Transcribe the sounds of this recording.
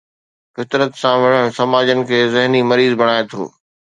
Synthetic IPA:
fɪt̪ɾət̪sãʋɪɽ̤əɽ̃sɐmaːd͡ʑənɪ̆kʰeːzɪɦnimɐɾiːzbɐɽ̃aːet̪ʰo̰ː

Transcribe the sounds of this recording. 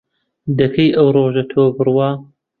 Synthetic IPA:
d̪ɐkʰɐjʔɐwɾoːʒɐt̪ʰoːbɨrwɑː

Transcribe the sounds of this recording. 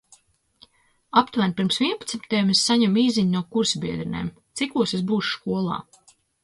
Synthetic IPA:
apt̪vænpiɾmsvʲiɛnpat̪smit̪ɛjɛmessaɲamiːziɲnuɔkuɾsbʲiɛd̪ɾinḛːm | t̪sikuɔsesbuːʃu̥ʃkuɔlˠɑ̰ː

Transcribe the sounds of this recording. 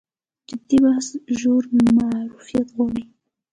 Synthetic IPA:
d͡ʒɪd̪ibahsʒoɾmaɾufijat̪ɣwɑɽi

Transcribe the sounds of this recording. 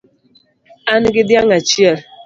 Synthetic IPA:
anɪɡɪdjaŋat͡ʃiaɾ

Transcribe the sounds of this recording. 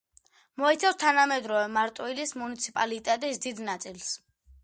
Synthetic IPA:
mɔit̪sʰafst̪ʰanamɛd̪ɾɔvɛmaɾt̪ʼwilismunit̪sʰipʼalit̪ʼɛt̪ʼisd̪id̪nat̪sʼils

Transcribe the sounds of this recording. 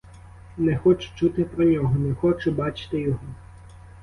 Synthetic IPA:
nɛxɔt͡ʃʊ̥t͡ʃut̪ɪpɾɔnʲɔɦɔnɛxɔt͡ʃʊbɑt͡ʃɪ̥t̪ɪjɔɦɔ

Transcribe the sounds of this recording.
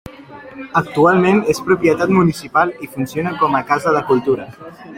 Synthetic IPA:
ək̚t̪ualˠmenespɾupjət̪at̪munisipalˠifunsionəkɔməkazəðəkulˠt̪uɾə

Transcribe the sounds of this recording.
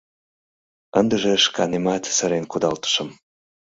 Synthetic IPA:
ənd̪əʒeʃkɑnemɑt̪səɾenkud̪ɑlt̪ə̥ʃə̆m

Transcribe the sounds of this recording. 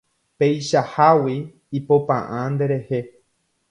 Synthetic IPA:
pe̞jʃahawiː | popã̰ʔãnd̪e̞ɾe̞he̞

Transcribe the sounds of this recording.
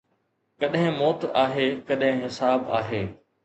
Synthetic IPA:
kɐɗɦɪ̃moːt̪aːɦeːkɐɗɦɪ̃ɦɪsaːba̰ːɦeː

